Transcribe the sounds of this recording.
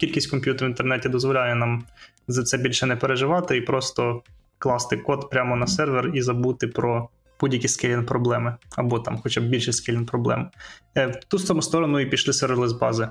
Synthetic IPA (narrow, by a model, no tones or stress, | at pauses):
kʲilʲkʲisʲtʲkɔmʲpʲjut̪ɾʋʲint̪ernɛtʲid̪ɔzʋɔlʲajɛnɑm | zɐt̪sɛbʲilʲʃɛnɛpeɾeʒɪʋɑt̪ɪipɾɔst̪ɔ | klˠɑst̪ɪkɔt̪pɾʲamɔnɐsɛrʋerizɐbut̪ɪpɾɔ | b̥udʲjɐkʲiskɛlʲinpɾɔblˠɛmɪɐbɔt̪ɑmxɔt͡ʃab̚bʲilʲʃɛskɛlʲinpɾɔblˠɛ̰mɛt̪usɔmʊst̪ɔɾɔnʊipʲiʃlˠɪsʋɛɾlˠɪzbɑzɪ